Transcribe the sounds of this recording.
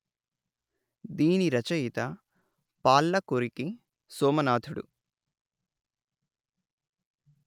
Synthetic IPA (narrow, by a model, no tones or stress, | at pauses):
d̪iːniɾɐt͡ʃɐjit̪ɐ | paːlːɐkoɾiki | sɔːmɐnaːt̪ʰuɽṵ